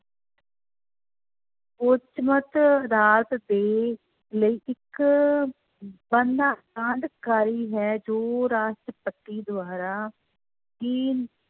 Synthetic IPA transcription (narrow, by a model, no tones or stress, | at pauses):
pot͡ʃmət̪əd̪aːɾət̪d̪eː | ləiːʔɪk | bənd̪aːkãɳɖkaːɾiːɦɛːd͡ʒoːɾaːʃʈɾəpəʈːiːd̪ʊaːɾaː | kiː